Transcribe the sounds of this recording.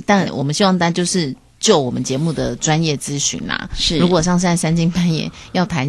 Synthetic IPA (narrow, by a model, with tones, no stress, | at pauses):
t̪a˥˩nwɔ̰˨˩mə˦nɕi˧˥wɑ˥˧ŋt̪a˥˧˩a˧˥t͡ɕjo˥˧ʊʂɻ̩˥˧ | t͡ɕjo˥˩ʊwɔ˨˩mə˦nt͡ɕjɛ˧˥mu˥˩d̪ə˩ʈ͡ʂwa˦˥njɛ˥˩t͡sɹ̩˥ɕy̰˧˥nlɐ̰˩˥˩ɻu˧˥kwɔ˨˩ʂ̬ɑ˥˧ŋ̩˥a˥˧˩sa˥nt͡ɕi˥˩ŋpa˥njɛ̰˨˩˦jɑ˥˩ʊt̪ʰa˧˦n